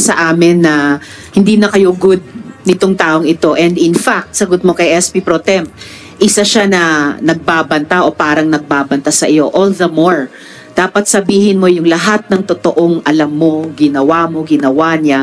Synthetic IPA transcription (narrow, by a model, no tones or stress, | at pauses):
sɐʔaːmɪnːɐ | hɪnd̪iːnɐkɐjoɡʊd̪̚nɪt̪oŋt̪aːʔoŋɪt̪o̞ʔɛnd̪ɪnfak̚t̪sɐɡot̪̚mo̞kɐjʔɛspipɾot̪ɛmp | ʔɪsaʃanɐnɐɡ̚baːbɐnt̪aʔo̞paːɾɐŋnɐɡ̚baːbɐnt̪asɐʔɪjo̞ʔolðɐmoɹ | d̪̥aːpɐt̪̚sɐbiːhɪnmo̞jʊŋlɐɦat̪̚nɐŋt̪ot̪oʔoŋʔɐlɐmːo̞ɡɪnɐwaːmo̞ɡɪnɐwaɲa